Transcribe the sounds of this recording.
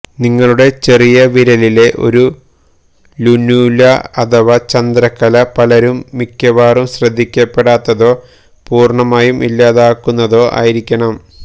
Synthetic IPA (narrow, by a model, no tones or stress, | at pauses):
niŋːɐɭuɽe̞t͡ɕe̞rijɐʋiɾɐlile̞ʔo̞̰ɾu | lunjuːlɐɐd̪ɐʋɐt͡ɕɐnd̪ɾɐkːɐlɐpɐlɐɾumːikʲjɐʋaːrumɕrɐd̪ʱːikʲːɐpːe̞ɽaːt̪ːɐðo̞ː | puːrɳɐmaːjumʔḭlːaːðaːkːunːɐðo̞ːʔa̰ːjiɾikʲːɐɳɐm